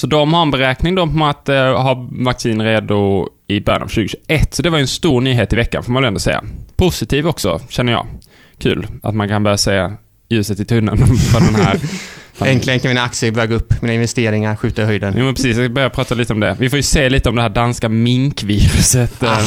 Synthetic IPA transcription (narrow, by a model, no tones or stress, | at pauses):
sɔd̪ɔmhaɾɛnbɛɾɛːknɪŋd̪ɔat̪ɦavaksiːnɾeːd̪ʊ | ɪbœɾja̰na̰vɕʉːɡəɕʉːɡʔɛt̪ːsɔd̪ɛvaɾjʏɵɛnst̪uːɾnyːɦeːt̪ɪvɛkːa̰nfoːmanvɛljʏɛnd̪ɔsɛ̰jːa̰pʰʊsɪt̪ʰiːvɔksɔ̰ɕɛnːəjɑ̰ː | kʰʉ̟̰ːla̰t̪mankʰanbœːɾjaseː | jʉ̟ːsət̪ːɪt̪ʰɵnːə̰nfɾɔnd̪ɛnhæːɾ | ɛŋklɪənkʰanmɪnaksəbøːɡaɵpːmiːnɪnvɛst̪eːɾɪŋaɾɧʉ̟ːt̪ahœjd̪ənjʔuːmɛnpɾɛsiːsjabœɾjapʰɾɑːt̪aliːt̪əɔmd̪ɛ̰vɪfoːɾjɵseːliːt̪əɔmd̪ɛɦæːɖanskamɪŋkviːɾɵsət̪